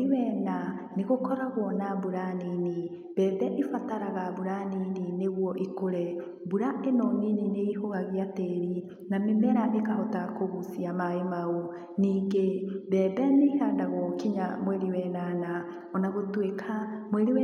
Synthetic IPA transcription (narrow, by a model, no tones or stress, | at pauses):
iwɛna | neɣokɔɾaɣwɔnabuɾanini | βɛːðɛʔifataɾaɣaβuɾaninineɣwɔʔikoɾɛ | buɾaʔɛnɔninineihoɣaɣiateɾi | namemɛɾaʔekahɔtakoɣusiamaemao | niːŋɡeβɛːðɛnehadaɣɔkiɲamwɛɾiwɛnana | ɔnaɣotwekʰamweɾiwɛ